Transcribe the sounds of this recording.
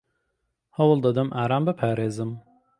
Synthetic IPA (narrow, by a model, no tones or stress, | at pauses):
hɐwɨlˠd̪ɐd̪ɨmʔaːɾaːmbɨpʰaːɾeːzɨm